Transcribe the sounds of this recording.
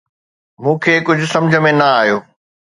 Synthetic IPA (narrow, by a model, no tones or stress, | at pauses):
mũːkʰeːkʊd͡ʑʱʊsɐ̃md͡ʑʱə̆mẽnɐaːɦjoː